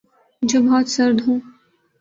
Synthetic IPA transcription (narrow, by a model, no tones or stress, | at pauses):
d͡ʒoːbɔːt̪sɐɾd̪ɦũː